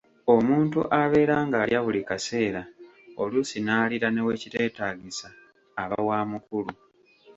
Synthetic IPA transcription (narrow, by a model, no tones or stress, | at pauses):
o̞muːntṵʔaβe̞ːɾaːŋɡaːljaβulikase̞ːɾa | o̞lusinaːliɾane̞we̞cite̞ːtaːɡisaː | βawaːmukulu